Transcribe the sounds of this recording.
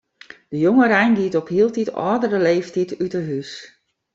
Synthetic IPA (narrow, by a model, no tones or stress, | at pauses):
d̥əjoŋəɾɛjndiətɔphiəlˠtitɔ̰ːdərəleːftitʰytəɦys